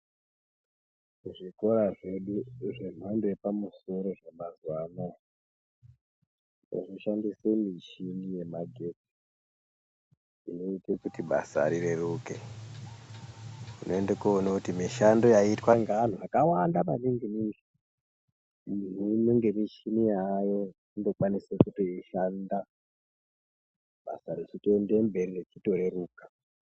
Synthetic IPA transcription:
ʐiko̞ɾaʐe̞ɗuʐe̞m̤andojepamuso̞ɾo̞ʐamazwana | o̰ʐoʃandisemit͡ʃinije̞maɡʱe̞ti̥ | ino̞itekutiɓa̰sa̰ɾire̞ruke | inʔo̞endekuonakutimiʃando̞jaitwaŋɡan̤uakawandamaniŋɡimiŋɡe | minunoŋɡe̞miʃinijajo̞ | indo̞kwanisekutoiʃanda | ɓa̰saɾisitendembe̞riret͡ʃito̞ɾe̞ɾuːkḁ

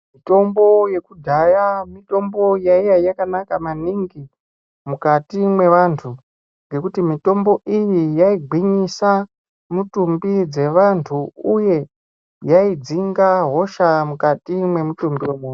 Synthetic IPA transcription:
mito̞mbo̞je̞kudʱajamito̞mbo̞jaijajakanakamaniŋɡi | mukatimwe̞ʋantʰu | ŋɡe̞kutimito̞mbo̞ʔijijaiɡʱwiɲisa | mutumbid͡ze̞ʋantʰuuje̞ | jaid͡ziŋɡaɦo̞ʃamukatimwe̞mutumbiwemuːn

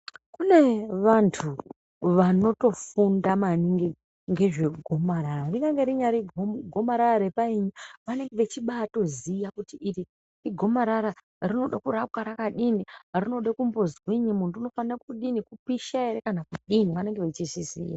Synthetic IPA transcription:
kune̞ʋantʰu | ʋano̞to̞fundamaniŋɡe | ŋɡe̞ʐe̞ɡʱo̞maɾarariŋɡaŋɡeɾiɲaɾiɡʱo̞maɾaraɾepaiɲaʋane̞ŋɡeʋet͡ʃiɓaːto̞zijakutiʔiɾi | riɡʱo̞maɾaɾa | rino̞ɗakurakaɾakaɗinirino̞ɗekumbo̞zɣwiɲimuntuuno̞fanaakuɗinikupiʃaeɾekanakuɗiniʋane̞ŋɡe̞ʋet͡ʃizizḭja̰

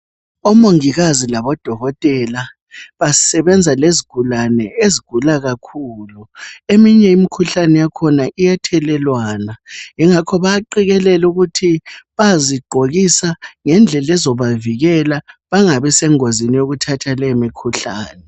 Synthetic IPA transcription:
ɔmoŋiɣazilaβɔd̥ʱɔɣɔtʼɛla | βasɛβɛnd͡zʱaleziɡ̥ʱulanɛeziɡ̥ʱulaɣakʰuːluemiɲɛimikʰuɬanɛjakʰɔnaʔijɛtʰɛlɛlwaːnaŋiŋakʰɔβaǃiɣɛlɛluɣutʰiβaziɡ͡ǃʱoɣisaŋɛnd͡ɮʱɛlɛzɔβaviɣɛlaβaŋaβɛsɛŋozinijoɣutʰatʰalemikʰuɬa̰ːnɛ

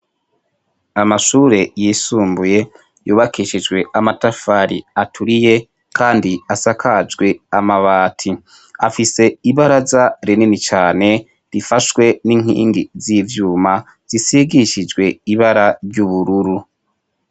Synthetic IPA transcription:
amaʃuːɾe̞jisuːmbuje̞ | juːβakiʃid͡ʒɡwe̞amatafaɾḭatʰuɾije̞ | kʰaːndiasakʰad͡ʒɡwe̞amaβaːtʰi | afise̞iβaɾazaɾeninit͡ʃaːne̞ | ɾifaʃwe̞niŋ̥hḭːŋɡizivjuːma | z̥isiɡiʃid͡ʒɡwe̞iβaɾaɾɟuβuɾuɾu

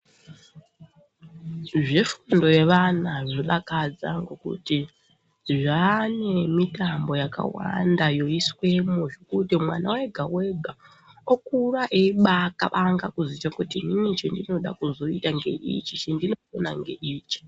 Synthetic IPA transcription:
ʐefundo̞je̞ʋanaʐoɗakad͡za̰ŋɡokṵti | ʐane̞mitambo̞jaka̰wa̰ndajo̞iswe̞muʐekutimwa̰nawe̞ɡʱawe̞ɡʱa | okuraʔeiɓakaʋʔaŋɡakuzit͡ʃakutininit͡ʃendino̞ɗa̰kuzo̞itaŋɡe̞̰ʔḭt͡ʃit͡ʃendinofonaŋɡe̞̰ʔiːt͡ʃi̥

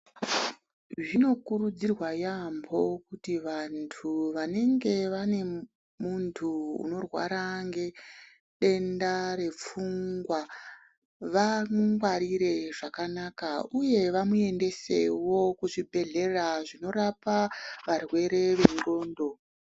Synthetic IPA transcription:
ʐino̞kurud͡zirwajambo̞kutiʋantʰuʋane̞ŋɡe̞ʋane̞ | muntʰuṵno̞rwa̰ɾaŋɡe̞ | ɗe̞ndaɾe̞p͡fuŋɡwa | ʋamuŋɡwaɾiɾe̞ʐakanakauje̞ʋamue̞nde̞se̞̰wo̞kuʐibʱe̞ɮe̞raʐino̞ɾapaʋarwe̞ɾe̞ʋe̞ŋɡo̞ːndo̞

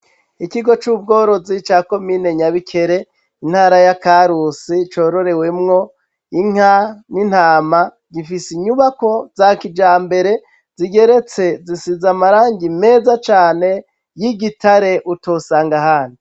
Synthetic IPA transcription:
ikiɡo̞t͡ʃub̚ɡo̞ːɾo̞zit͡ʃaːko̞miːne̞ɲaβikʰe̞ɾe̞ | in̥haːɾajakaɾusit͡ʃo̞ɾo̞ɾe̞we̞mŋo̞ | iŋ̥anin̥haːma | ɡifisiɲuβako̞zakid͡ʒaːmbe̞ɾe̞ | ziɡe̞ɾe̞t͡se̞zisizamaɾaːŋɡime̞ːzat͡ʃaːne̞ | jiɡitʰaɾe̞ʔutosaːŋɡaɦaːni

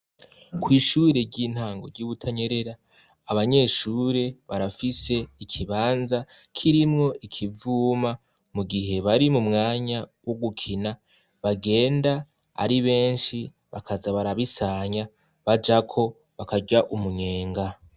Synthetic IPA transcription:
kwiːʃuɾe̞ɾɟiːn̥haːŋɡo̞̰ɾɟuːβutʰaɲe̞ɾe̞ɾaː | βaɲe̞ːʃuːɾe̞βaɾafise̞ikʰiβaːnza | kʰiɾimŋo̞ʔikʰivuːma | muɡiɦe̞βaɾimumŋaːɲawo̞ɡukʰina | βaɡe̞ːnda | a̰ɾiβe̞ːnʃi | βakʰazaβaɾaβisaːɲa | βad͡ʒakʰo̞ | βakaɟaʔumuɲe̞ːŋɡa

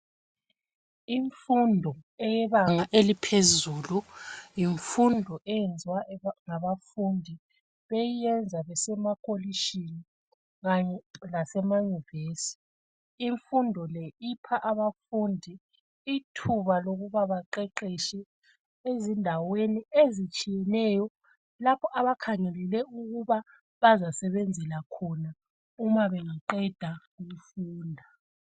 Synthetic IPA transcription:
iɱfundʱɔɛjɛβaŋaʔelipʰezuːlujiɱfundʱɔʔɛjend͡zʱiwaŋaβafundʱi | βejijɛnd͡zʱaβɛsɛmakʼʰoliʃini | ɣaɲɛlasɛmajuvesi̥ | iɱfundʱɔlɛipʰaʔaβafuːndʱi | itʰuβaloɣuβaβaǃɛǃiʃɛ | ezindʱaweniezit͡ʃʼijɛnɛjɔ | lapʰɔʔaβakʰaŋɛlɛlɛuɣuβa | βazasɛβend͡zʱɛlakʰɔna | umaβeŋiǃɛd̥ʱaɣimfuːndʱa

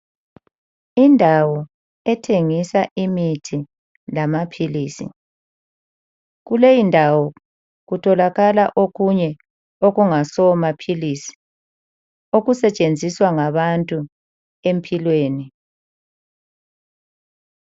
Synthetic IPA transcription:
indʱawɔ | ɛtʰeŋisaʔimitʰi | lamapʰiliːsḭ | ɣulejindʱawɔ | ɣutʰɔlaɣalaʔoɣuɲɛ | oɣuŋasɔmapʰilisi̥ | oɣusɛt͡ʃʼend͡zʱiswaŋaβantʼu | empʰilweːni

